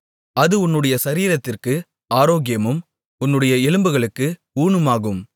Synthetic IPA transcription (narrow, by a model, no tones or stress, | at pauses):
ɐðɯʊnːɯɽɐjɐsɐɾiːɾɐt̪ːɪrkɯ | aːɾoːɣɪjɐmɯm | ʊnːɯɽɐjɐɛlɯmbɯɣɐɭɯkːɯ | uːɳɯmaːɣɯm